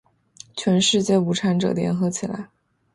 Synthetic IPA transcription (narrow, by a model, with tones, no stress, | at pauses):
t͡ɕʰɥɛ˧˥nʂɻ̩˥˧t͡ɕjɛ˥˩u˧˥ʈ͡ʂʰa˧˥nʈ͡ʂɤ̰˨˩ljɛ̰˧˥nxɤ˧˥t͡ɕʰi˨˩la̰˧˥ɪ